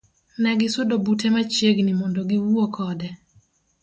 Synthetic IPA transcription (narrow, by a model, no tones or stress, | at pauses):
nɛɡɪsʊdobutʰɛmat͡ʃeɡnimɔndoɡiwuokʰɔdɛ